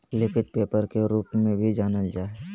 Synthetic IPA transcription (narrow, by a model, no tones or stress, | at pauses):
lɪpʰɪt̪̚peːpəɾkeɾuːpmẽbʱid͡ʒaːnəd͡ʒaːɛ